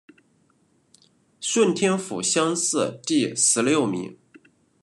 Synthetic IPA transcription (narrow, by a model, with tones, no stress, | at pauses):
ʂwə˥˩nt̪ʰjɛ˥nfṵ˨˩ɕjɑ˥ŋsɹ̩˥˧t̪i˥˩sɹ̩˧˥lljo˥˩ʊmḭ˧˥ŋ